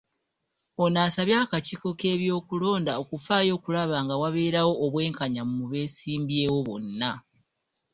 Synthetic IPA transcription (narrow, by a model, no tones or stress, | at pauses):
o̞naːsaβjakaciːko̞ke̞ːβjo̞ːkulo̞ːndao̞kufaːjo̞ːkulaβaːŋɡawaβe̞ːɾawo̞ʔːβwe̞ːŋkaɲammuβe̞ːsiːmbjeːwo̞βo̞̰nːa